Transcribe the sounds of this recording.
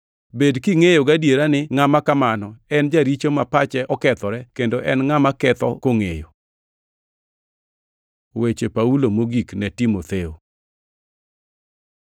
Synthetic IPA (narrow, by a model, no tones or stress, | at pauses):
bedkiŋejoɡadjeɾanɪŋamakamanɔɛnd͡ʒaɾit͡ʃomapat͡ʃɛʔɔkɛt̪ɔɾɛkendoʔɛ̰nŋamakɛt̪ɔ̰koŋejo | wet͡ʃepaulomoɡiknɛtimot̪eo